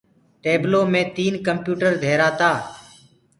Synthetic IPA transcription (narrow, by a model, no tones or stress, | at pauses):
ʈeːbloːmẽːt̪iːnkəmpjuːʈəɾd̪ʱeːɾaːt̪aː